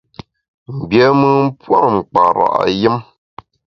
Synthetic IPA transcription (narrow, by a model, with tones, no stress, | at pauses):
m̩˨bjɛ˦mɨ˦m̩˦pwa˦˨m̩˨k͡pa˨ɾa̰˨ʔji˦m